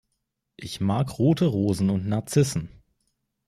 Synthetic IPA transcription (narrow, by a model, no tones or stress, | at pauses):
ʔɪçmaːkʁoːtəʁoːzn̩ʊntnaɐt͡sɪsn̩